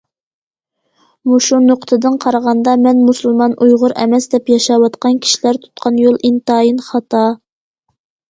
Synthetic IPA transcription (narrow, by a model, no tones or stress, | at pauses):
muʃunoqt̪ʰɨd̪ɨnqʰɑɾəʁɑnd̪ɑmɛnmusulˠmɑnʔujʁʊɾʔɛ̰mɛsd̪ɛpjɑʃɑwɑt̪qɑnkʲʰi̥ʃilæɾt̪ʰu̥t̪̚qʰɑnjolˠʔint̪ɑːjinχɑt̪ʰɑ